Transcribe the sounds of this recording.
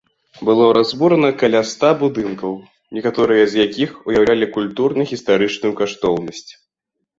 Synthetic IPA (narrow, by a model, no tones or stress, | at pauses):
bɨlˠɔɾazbuɾɐnɐkɐlʲast̪abud̪ɨnkɐw | nʲɛkat̪ɔɾɨjɐzʲjakʲixujawlʲalʲikulʲt̪urnɐɣʲist̪aɾɨt͡ʂnujukaʂt̪ɔwnɐsʲt͡sʲ